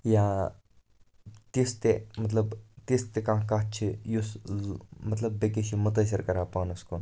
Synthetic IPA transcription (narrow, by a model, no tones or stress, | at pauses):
jaː | t̪ist̪emɐt̪lɐbt̪ist̪ekãːɦkaːt͡ʃʰijus | mɐt̪lɐbːekeʃimʊt̪̬ɐs̬ɐɾkɐɾaːpaːnuskon